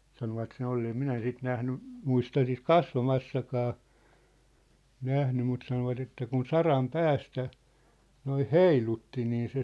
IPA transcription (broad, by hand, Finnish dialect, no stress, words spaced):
sɑnoʋɑt sen olːeː em minæ sit næhny muistɑ sit kɑsʋɑmɑsːɑkɑː næhny mut sɑnoʋɑt etːæ kun sɑrɑm pæːstæ noih heilutːi niː se